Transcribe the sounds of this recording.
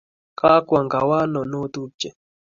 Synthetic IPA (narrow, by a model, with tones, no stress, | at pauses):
ka˦kʷa˨ŋɡa˨wa˦no˨nu˦t̪u˦t͡ʃe˨